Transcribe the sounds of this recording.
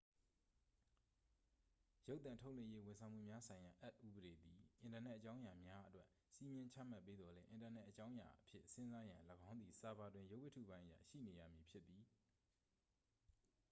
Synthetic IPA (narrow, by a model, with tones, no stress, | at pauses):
jo˦t̪θã˨ntʰo˦ʊʔlwɪ̃˦˨je˦wɪ̃˨nsʰã˨ʊ̃m̥ṵ˦˨mja˦sʰã˨ɪ̃ja˨ʔɛ˦t̪̚ʔu˦bəɾe˨d̪i˨ʔɪ̃˨ntaː˨nɛ˦ʔːət͡ɕã˦ʊ̃ja˨mja˦ʔətwɛ˦ʔ | si˦mjɪ̃˦ɲt͡ɕʰa̰˦˨ma˦pːe˦d̪ðɔ˨lɛ̃˦ʔɪ̃˨nta˨nɛ˦ʔːət͡ɕã˦ʊ̃ja̰˨ʔəpʰjɪ̰˦ʔsɪ̃˦nza˦jã˨ləɡã˦ʊ̃nd̪ði˨sa˨ba˨dwɪ̃˨jo˦ʊwɪ˦tʰṵ˦˨bã˦ɪ̃ʔə˦ja̰˦˨ʃḭ˦˨ne˨jä̰˦˨mji˨pʰjɪ˦t̪ːi˨